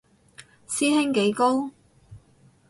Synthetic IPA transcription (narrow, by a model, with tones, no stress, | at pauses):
siː˥hɪ˥ŋke˨˥jko˥w